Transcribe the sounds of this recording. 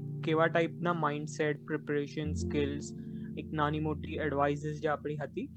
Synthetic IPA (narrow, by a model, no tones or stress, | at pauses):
keʋaʈaipnamaiɳɖseʈ̚pɾepəɾeɕənskelseknanimoʈiːəɽʋais̬əs̬d͡ʑaapɽ̃iːɦat̪iː